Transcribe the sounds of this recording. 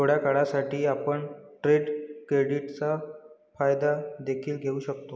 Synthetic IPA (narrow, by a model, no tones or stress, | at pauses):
oɽjakaɽasaʈʰiːapəɳʈɾeɖkɾeɽiʈt͡sa | fajd̪ad̪ekʰiːlɡʱeuːɕəkt̪o